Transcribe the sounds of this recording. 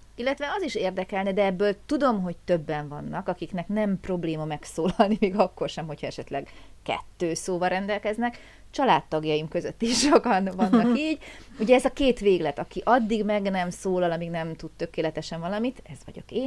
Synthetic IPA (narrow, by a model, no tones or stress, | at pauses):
ilːɛt̪ʋɛɒziʃeːrd̪ɛkɛlnɛd̪ɛɛbːøːlt̪ud̪o̞mɦo̞c̚t̪øbːɛɱvɒnːɒkɒkiknɛknɛmpro̞bleːmɒmɛksoːlɒlnimeːɡɒkːo̞rʃɛmɦo̞chɒɛʃɛt̪lɛɡkɛ̰t̪ːøːsoːvɒɾɛnd̪ɛlkɛznɛk | t͡ʃɒlaːt̪ːɒɡjɒjimkø̞zøt̪ːiʃokɒnvɒnːɒkiːɟuɟɛɛzɒkeːt̪ʋeːɡlɛt̪ɒkiʔɒd̪ːiɡmɛɡnɛmsoːlɒlɒmiɡnɛmt̪ut̪t̪ːø̞keːlɛt̪ɛʃɛɱvɒlɒmit̪ɛz̥ʋɒ̰ɟo̞̰keːn